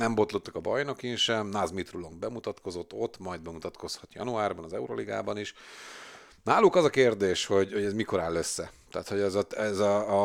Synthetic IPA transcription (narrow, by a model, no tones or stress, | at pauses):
nɛmbo̞t̪lot̪ːɒkɒbɒjno̞kinʃɛmnazmit̪rulo̞mbɛmut̪ɒt̪ko̞zo̞t̪ːo̞t̪ːmɒjd̪̚bɛmut̪ɒt̪ko̞shɒt̪jɒ̰nuaːrbɒnɒzɛuɾoliɡa̰ːbɒniʃ | naːlːukɒzɒkeːrd̪eːʃho̞ɟhoɟɛzmiko̞ɾaːlːøsːɛt̪a̰ːt̪ho̞ɟɛzɒɛzɒː